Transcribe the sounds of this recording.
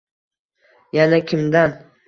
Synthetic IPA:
janakʲʰɪmd̪an

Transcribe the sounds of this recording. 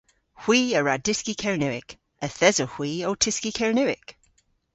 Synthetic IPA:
hw̥iːəɹadɪskikʰəwnʉwɪ̰k | əθɛzəhw̥iːowtʰɪskikʰəwnʉwɪ̰k

